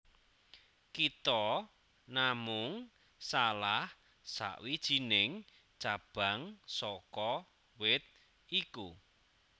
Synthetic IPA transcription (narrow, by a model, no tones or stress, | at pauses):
kit̪ɔ | namʊŋ | salah | sa̰ʔwid̥ʒ̥i̤nɪŋ | t͡ʃab̥a̤ŋsɔkɔ | wɪt̪̚ | iku